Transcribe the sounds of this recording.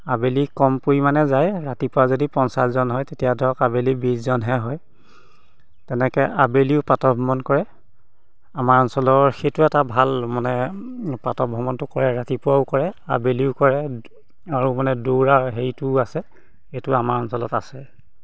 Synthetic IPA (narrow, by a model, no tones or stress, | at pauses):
abelikɔmpuimanɛzajɹatipʊwazodipɔnsaszɔnɦɔjtetijadʱɔkabelibiszɔnɦɛɦɔj | tɛnɛkɛʔabeliʊpɹatɔbʱɔmɔnkɔɹɛ | amaɹɔnsɔlɔɹxejtʊɛtabʱalmanɛpɹatɔbʱɔmɔntʊkɔɹɛɹatipʊwaʊkɔɹɛa̰beliʊkɔɹɛ | aɹumanɛduwɹaɦejtʊasɛ | xejtʊamaɹɔnsɔlɔta̰sɛ